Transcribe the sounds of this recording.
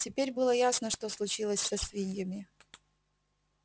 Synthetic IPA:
tʲɪpʲeɾʲbɨlˠəjasnəʂt̪oslˠʊt͡ɕilˠəsʲsɐsʲvʲinʲjəmʲɪ

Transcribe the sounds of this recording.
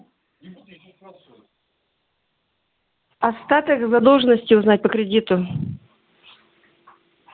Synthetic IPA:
ɐst̪at̪ɨxzɐd̪o̞lˠʐɨnəsʲtʲɪʊznat̚ʲpəkɾʲɪdʲit̪ʊ

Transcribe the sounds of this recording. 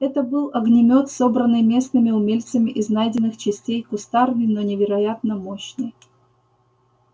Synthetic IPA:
ɛt̪əbɨlˠɐɡnʲɪmʲo̞t̪so̞bɾənːɨjmʲe̞snɨmʲɪʊmʲelʲt̪səmʲɪʔɪznajdʲɪnːɨxt͡ɕɪsʲtʲejkʊst̪arvʲɪnonʲɪvʲɪɾɐjat̪nəmoɕnɨj

